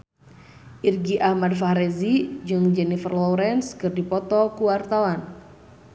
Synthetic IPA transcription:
ʔirɡiʔahmadfaɾɛzid͡ʒɨŋd͡ʒɛnifərlɔwɾɛnskɨrdipɔt̪ɔkuwart̪awan

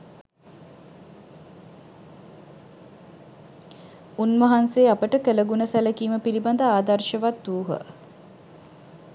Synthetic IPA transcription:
unmɐɦanseːapəʈəkələɡunəsæləkiːməpiliband̪əaːd̪ɐrʃəʋat̪d̪uːɦə̰

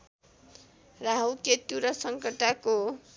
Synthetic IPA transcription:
raɦʌwket̪uɾʌsʌŋkʌʈako

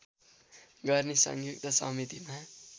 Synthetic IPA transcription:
ɡʌrnisʌ̰ŋjuk̚t̪ʌsʌ̰mit̪ima

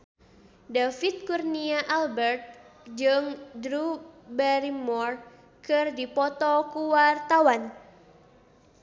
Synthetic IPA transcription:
dafit̪̚kurniaʔalbɛrt̪̚ | d͡ʒɨŋdɾubaɾimɔr | kɨrdipɔt̪ɔkuwart̪awan

